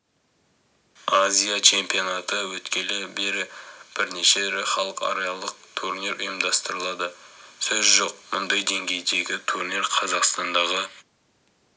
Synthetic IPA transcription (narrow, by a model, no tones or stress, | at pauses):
azʲijat͡ʃʰe̞mpijonɑt̪əwɵt̪kʲe̞lɪbe̞ɾɪb̥ɪɾne̞ʃe̞ɾɪχɑlˠəqɑ̰ɾejɑlˠəq̚t̪ʰuɾniɾʊjəmd̪ɑst̪əɾəlˠɑd̪əsɵzʒo̞q̚mʊnd̪ɑjd̪e̞ŋɡʲe̞jd̪e̞ɡʲɪt̪ʰurniɾqʰɑzɑqst̪ɑnd̪ɑʁə